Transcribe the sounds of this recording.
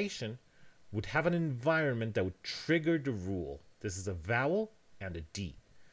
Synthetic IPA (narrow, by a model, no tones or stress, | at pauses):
ɪʃɨ̃n | wəd̚ɨvɨ̃nɨ̃ɱvaɪɹɨ̃nmɨ̃nðɨt̚wəd̚tʰɹ̥ɪɡə˞ðɨɹulˠðɪs̬ɨzəvaʊl̩ˠ | ɨ̃nɨdip̚